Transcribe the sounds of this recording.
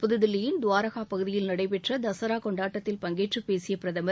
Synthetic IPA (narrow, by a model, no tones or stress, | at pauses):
pʊðɯðɪlːɪjɪnd̪ʊʋaːɾɐɣaːpɐɣɯðɪjɪlnɐɽɐɪpɛʈrɐd̪ɐsɐɾaːkɔɳɖaːʈːɐt̪ːɪlpɐŋɡeːʈrɯpeːsɪjɐpɪɾɐðɐmɐ